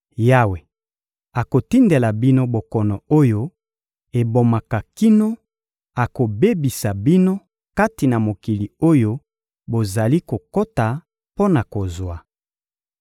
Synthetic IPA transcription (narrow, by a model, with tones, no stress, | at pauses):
ja˦we˨ | a˨ko˨ti˦nde˨la˨bi˦no˦bo˨kɔ˨nɔ˨o˦jo˦ | e˨bo˨ma˨ka˨ki˦no˦ | a˨ko˨be˦bi˨sa˨bi˦no˦ | ka˦ti˨na˨mo˨ki˨li˨o˦jo˦ | bo˨za˨li˦ko˨ko˦ta˨ | po˦na˨ko˨zwa˨